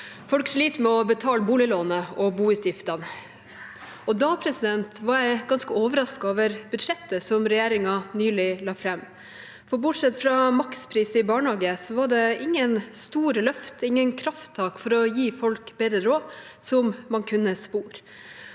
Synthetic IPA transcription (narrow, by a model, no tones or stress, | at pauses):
fɔlkʂɭiːt̪əmɛɔbət̪ʰɑːlbuːlɪloːnəɔbuːʉːt̪jɪft̪ɑn | ɔd̪ɑpʰɾɛsɪd̪ɛnt̪ʋɑɾjæɪɡɑnskəoːʋəɾɑskɑɑːʋəɾb̥ʉd̪ʂɛt̪ːəsɔmɾɛjeːɾɪŋɑnyːlɪlɑːfɾɛmː | fɔɾbʊʈʂɛt̪ːfɾɑmɑkspʰɾiːsəɪbɑːɳhɑːɡəsɔʋɑɖɛɪŋːənst̪uːɾəlœft̪ɪŋːənkʰɾɑft̪ʰːɑːkfɔɾɔjiːfɔlkbɛd̪əɾoː | sɔmmɑnkʰʉnːəspuːɾ